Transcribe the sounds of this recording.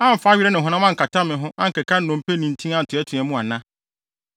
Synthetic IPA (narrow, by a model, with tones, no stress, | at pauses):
ã˦˨m̩˨fa˦ɥi˦ɾɛ˦nɪ̃˨ɦʊ̃˨˦nã˦mã˦ŋ̩˨kʰa˨tʰa˦mɪ̃˨ɦʊ̃˦ʔã˦ŋ̩˨kɛ˨kʰa˦n̩˦nʊ̃˨m˦pʰe˦nĩ˨n̩˨tʰĩ˦ã˦n̩˨tʰʊ˨ɛ˦tʰʊ̃˨ɛ˨mũ˦a˨nã˦